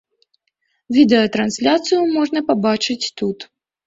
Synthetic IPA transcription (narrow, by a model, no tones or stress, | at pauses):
vʲid̪ɛɐt̪ɾansʲlʲat̪sɨjumɔʐnɐpabat͡ʂɨt͡sʲt̪ut̪